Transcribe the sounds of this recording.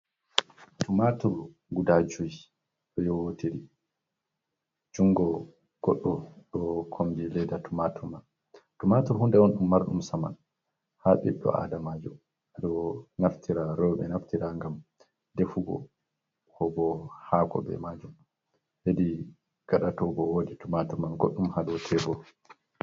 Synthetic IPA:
tumatuɾ | ɡudad͡ʒuj | ɗɔjɔwotiɾi | d͡ʒuŋɡɔ | ɡ̥ɔɗːɔɗɔkʰombilɛjdatumatʰuɾman | tumatuɾhundɛɔnɗumːaɾɗumsama̰n | haɓḭɗːɔ̰a̰damad͡ʒum | adɔɔnaftʰiɾaɾɔɓɛ̰naftiɾaŋɡam | defuɡɔ̰ | kɔbɔhakɔ̰bɛ̰mad͡ʒum | hedi | ɡ̥aɗatɔbɔwoditumatuɾmanɡo̰ɗːumhadɔtʰɛbɔ

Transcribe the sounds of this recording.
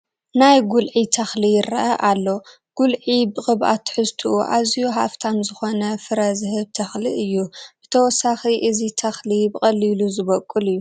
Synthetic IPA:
najɡulʕit̪ʰɐxlijɪɾɐ̰ʔɐʔalːo̞ | ɡ̥ulʕibɨχʼɨβʔa̰t̪ʰːɨ̥ħɨst̪ʰuuʔazijuɦa̰ft̪ʰamzɨxonɐfɨɾɐzɨɦɨβt̪ʰɐxliʔɨjːub̥ɨt̪ʰɐwɔsaxiʔɨzit̪ʰɐxlibɨχʼɐlːiluzɨβɐkʼːɨlɨjːu

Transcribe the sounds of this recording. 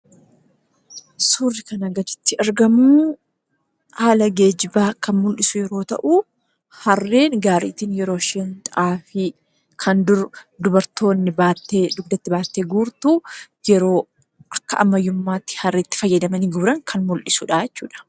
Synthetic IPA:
suːrːɪkɐnɐɡɐd̪ɪ̥t̪ːɪʔɐɾɡɐmu | haːlɐɡe̞ːd͡ʒɪbaːkɐnmʊlʔɪsʊjɛɾo̞ːt̪ɐ̰ʔu | hɐrːeːnɡaːɾḭːt̪iːnjɛɾoːʃeːnt̪ʔaːfɪ | kʰɐnd̪ʊɾʊd̪ʊbɐɾt̪o̞ːnːɪbaːt̪ːed̪ʊɡd̪ɐt̪ːɪbaːt̪ːeːɡuːɾt̪uː | jɛɾo̞ː | kɐʔɐmːɐjːʊmːaːt̪ːɪ̥hɐrːɪt̪ːɪ̥fɐjːɐd̪ɐmɐniːɡʊbɾɐŋkʰɐnmʊlʔɪsuːᶑaːjɛt͡ʃːṵːᶑɐ̥

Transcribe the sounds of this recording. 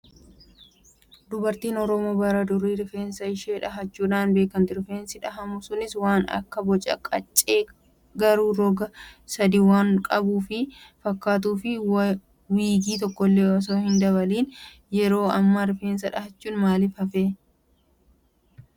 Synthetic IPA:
d̪ʊbɐɾt̪iːnɔɾɔmoːbɐɾɐd̪ʊɾːiːɾɪfeːnsɐɪʃeːᶑɐɦɐt͡ʃːuːᶑaːnbe̞ːkːɐnt̪ɪɾɪfeːnsɪᶑɐɦɐmʊsʊnɪswaːnɐ̰kːɐbɔt͡ʃʼɐ̰kʼɐt͡ʃʼːeː | ɡɐɾuːɾɔɡɐsɐd̪iːwaːŋkʼɐbuːfɪfɐkːaːt̪̬uːfɪ | wiːɡiːt̪ɔkːɔlːeːɔs̬oːhɪnd̪ɐβɐliːn | jɛɾo̞ːɐmːaɾɪfeːnsɐᶑɐhɐt͡ʃːuːnmaːlɪfɐfeː

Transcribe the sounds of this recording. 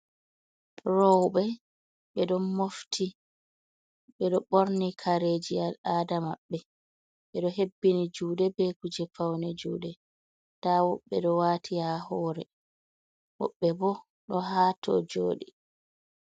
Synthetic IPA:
ɾɔwɓɛ | ɓɛɗɔmoftʰi | ɓɛɗɔɓoɾnikʰaɾeːd͡ʒiadamaɓːɛ | ɓɛɗɔɦebːinid͡ʒuːdɛbɛkud͡ʒɛfawnɛd͡ʒuːdɛ | tawɔɓːɛɗɔwaːtʰihahɔːɾɛ | wɔɓːɛbɔ | ɗɔɦaːtʰɔ̰d͡ʒoːɗi

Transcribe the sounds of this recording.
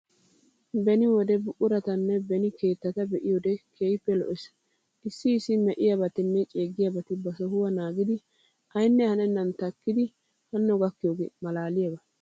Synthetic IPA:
bɛnɪwɔd̪ɛbʊʔʊɾɐt̪ɐnːɛbɛnɪke̞ːt̪ːɐt̪ɐbɛʔɪjod̪ɛkʰeːjɪpːɛlɔ̰ʔɛs | ʔɪsːɪːsːɪmɛʔɪjabɐt̪ɪnːɛt͡ʃʼeːɡːɪjabɐt̪ɪbɐsɔhʊwɐnaːɡɪd̪ɪ | ɐjnːɛhɐnɛnːɐnt̪ɐkːɪd̪ɪ | hɐnːɔɡɐkːɪjoːɡemɐlaːlɪjabɐ

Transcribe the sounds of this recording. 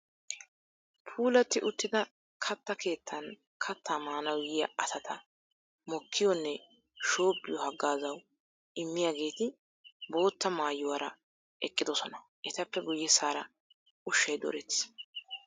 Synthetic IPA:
pʰuːlɐt̪ːɪʔʊt̪ːɪd̪ɐ | kʰɐt̪ːɐkʰe̞ːt̪ʰːɐn | kʰɐt̪ʰːaːmaːnɐwjɪjɐʔɐsɐt̪ʰɐ | mɔkʰːɪjɔnːɛ | ʃo̞ːbːɪjɔhɐɡːaːzɐw | ɪmːɪjaːɡe̞ːt̪ɪ | bo̞ːt̪ːɐmaːjːʊwaːɾɐ | ʔɛkʼːɪd̪ɔsɔnɐ | ʔɛt̪ɐpːɛɡʊjːɛsaːɾɐ | ʊʃːɐjd̪ɔ̰ɾɛt̪ːs

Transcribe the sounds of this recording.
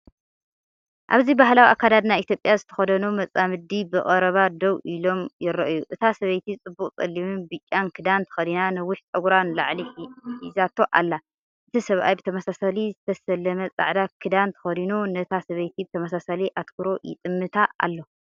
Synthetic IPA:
ʔa̰βzibaɦlawiʔakʰːad̪ad̪najʔit̪ʰjopʼjazɨt̪ʰɐ̥xɐd̪ɐnumɐt͡sʼamɨd̪ibɨχʼɐɾɐβad̪owʔilo̞mjɪɾɐʔɨjuʔɨt̪ʰasɐβɐjt̪ʰit͡sʼɨbːuqʼt͡sʼɐlːimɨnbɨt͡ʃʼːankʰɨd̪ant̪ʰɨ̥xɐd̪inanɨwʊħt͡sʼɐɡɾanlaʕliizat̪ʰːo̞ʔa̰lːa | ʔɨt̪ʰisɐβʔa̰jbɨt̪ʰɐmɐsasalizɨt̪ʰɐsɐlɐmɐt͡sʼa̰ʕd̪akʰɨd̪ant̪ʰɨ̥xɐd̪inunɐt̪ʰasɐβɐjt̪ʰibɨt̪ʰɐmɐsasaliʔat̪kʰuɾo̞jɪ̰t̪ʼɨmːɨt̪ʰaa̰lːo

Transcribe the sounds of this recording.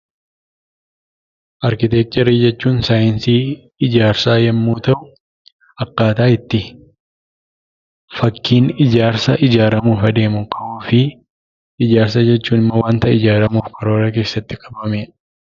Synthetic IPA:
ʔɐɾkɪt̪eːk̚t̪ʼɛɾiːd͡ʒɛt͡ʃːuːnsaːjɪnsiː | ɪd͡ʒaːɾsaːjɐmːuːt̪ɐʔʊ | ɐkːaːt̪aːɪt̪ːɪ | fɐkːiːnɪd͡ʒaːɾsɐʔɪd͡ʒaːɾɐmuːfɐd̪e̞ːmʊkʰɐoːfɪ | ɪd͡ʒaːɾsɐd͡ʒɛt͡ʃːuːnɪmːɐwaːnt̪ɐɪd͡ʒaːɾɐmuːfkʰɐɾo̞ːɾɐk̬e̞ːsːɐt̪ːɪkʼɐbɐme

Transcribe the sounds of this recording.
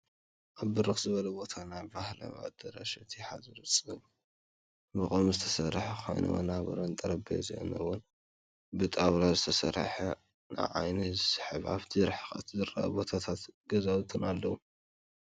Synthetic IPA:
ʔaβːɨɾɨxzɨβɐlɐbo̞t̪ʰanajbahla̰βa̰d̪̥ɐɾa̰ʃɐt̪ʰiħazɨɾɨt͡sʼɨl | mɨχʼomzɨt̪ʰɐ̥sɐɾħɐxojnɨ̰wɐ̰naβɐ̰ɾont̪ʼɐɾɐbḛzɐ̰ʔnɐwʊn | bɨt̪ʼaβɾazɨt̪ʰɐsɐ̰ɾħɐ | nʔa̰ʕa̰jnisɨ̥ħɨβa̰βt̪ʰiɾħxat̪ʰzɨɾa̰ʔbo̞t̪ʰat̪ʰat̪ɡɐzawt̪ʰɨnalːɐwu

